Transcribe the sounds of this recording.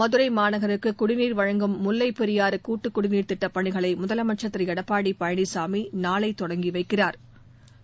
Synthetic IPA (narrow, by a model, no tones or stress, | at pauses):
mɐðɯɾɐɪmaːnɐɣɐɾɯkːɯkʊɽɪniːɾʋɐɻɐŋɡɯmːʊlːɐɪpːɛɾɪjaːɾɯkuːʈːɯkːʊɽɪniːɾt̪ɪʈːɐpːɐɳɪɣɐɭɐɪmʊðɐlɐmɐʈ̚t͡ʃɐt̪ːɪɾɐjɛɽɐpːaːɽipɐjɐɳisaːminaːlɐɪt̪ːɔɽɐŋɡiʋɐɪkːɪraːɾ